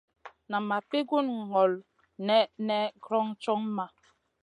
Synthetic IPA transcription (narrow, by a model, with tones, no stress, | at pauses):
na˨ma˨pe˦ɡu˦n˨ŋɔ˨l | nɛ˦nɛ˦ɡɾɔ˦ŋt͡ʃɔ˦ŋma˨